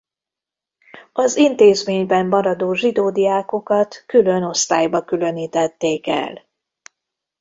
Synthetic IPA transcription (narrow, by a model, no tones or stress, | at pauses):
ɒzint̪eːzmeːɲbɛmːɒɾɒd̪oːʒid̪oːd̪ijaːko̞kɒt̪kylø̞no̞st̪aːjbɒkylø̞niːt̪ɛt̪ːeːkɛ̰l